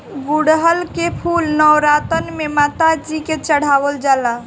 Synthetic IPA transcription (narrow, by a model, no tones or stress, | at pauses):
ɡuɽɦəlkepʰulnəwɾat̪ənmemat̪ad͡ʒiket͡ʃəɽ̤awəld͡ʒala